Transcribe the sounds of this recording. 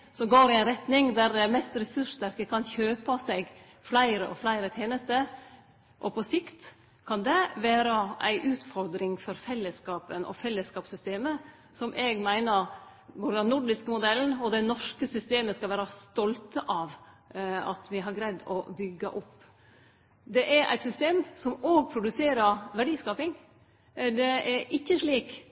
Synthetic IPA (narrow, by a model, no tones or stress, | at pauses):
sɔmɡoːɾɪæɪnɾɛt̪nɪŋd̪æɾdɛmɛst̪ɾɛsʉʂt̪æɾkəkʰɑnçøːpɑsɛɡ | flæɪɾəʔɔflæɪɾət̪ʰeːnəst̪əɾ | ʔɔpʰɔsɪkt̪ | kʰɑnd̪ɛʋæːɾɑʔæ̰ɪʔʉːt̪fɔɾd̪ɾɪŋfɔɾfɛlːəskɑːpənʔɔ̰fɛlːəskɑːpsʏst̪eːmə | sɔmʔɛɡmæɪnəɾ | bʊɖ̪ɑnnʊɖɪskəmʊd̪ɛln̩ɔd̪ɛnɔʂkəsʏst̪eːməskɑlʋæːɾɑst̪ɔlt̪əʔɑʋ | ɑ̰t̪ʋɪɦɑɾɡɾɛd̪ɔ̰bʏɡːə̰ʔʊpː | d̪ɛʔæɾʔæ̰ɪt̪sʏst̪eːmsɔmoːɡ̚pʰɾʊd̪ʉseːɾəɾʋæɖiːskɑːpɪŋ | d̪ɛæɾʔɪçːəʂɭiːk